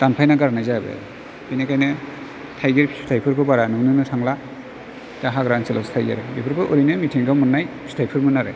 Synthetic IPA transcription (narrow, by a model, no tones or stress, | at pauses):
tanpʰajnaɡaɾnajzabḛ | pʰijnekajnɯ | tʰajɡeɾpʰi̥stʰajpʰɯɾbʰɯbaɾanɯŋnɯnɯsʰaŋla | taɦaɡɾansila̰wstʰajɡḛɾbipʰɯɾpʰɯʔuɾinɯmitʰiŋɡawmɯnːajpʰi̥stʰajpʰɯɾmɯnaɾḛ